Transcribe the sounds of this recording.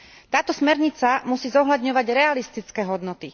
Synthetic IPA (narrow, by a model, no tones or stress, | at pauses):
t̪aːt̪ɔsmɛɾɲit͡samusiːzɔɦlad̪ɲɔʋaɟɾɛalist̪it͡skɛːɦɔd̪nɔt̪i